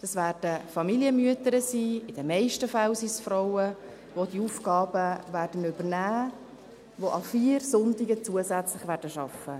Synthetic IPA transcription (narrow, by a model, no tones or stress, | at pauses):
d̥ɑsvæːrd̥əfɑmiliəmyətəɾəsiːɪd̥əmɛɪʃtəfalsisfɾoʊə | ʋodiuːfɡ̥ɑːbəvæːrd̥ənʏbərnæː | ʋoʔɑfiːɾsʊntɪɡət͡suəzæt͡slɪχvæːɾdəʃɑfə